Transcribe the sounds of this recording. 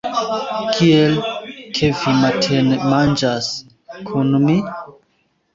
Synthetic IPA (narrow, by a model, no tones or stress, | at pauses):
kʰielkʰevimatʰenmand͡ʒas | kʰunmi